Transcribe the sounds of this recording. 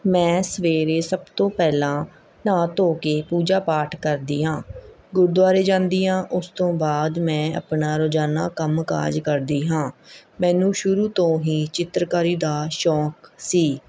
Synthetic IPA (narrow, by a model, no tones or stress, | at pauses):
mɛ̃ːsəʋeːɾeːsəbt̪õːpɛːlãː | nãːt̪oːkeːpuːd͡ʒaːpaːʈʰkəɾd̪iːɦãː | ɡʊɾd̪ʊwaːɾeːd͡ʒãːnd̪iːãːʔʊst̪õːbaːd̪mɛ̃ːə̰pnaːɾoːd͡ʒaːna̰ːkəmka̰ːd͡ʒkəɾd̪iːɦãːmɛ̃ːnũːʃʊɾuːt̪õːɦiːt͡ʃɪt̪ɾəkaːɾiːd̪aːʃɔːksiː